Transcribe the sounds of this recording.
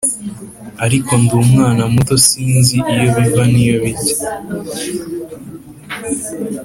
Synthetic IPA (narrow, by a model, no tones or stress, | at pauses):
aɾiko̞ndumŋaːnamuto̞siːnziʔijo̞βivanijo̞βice̥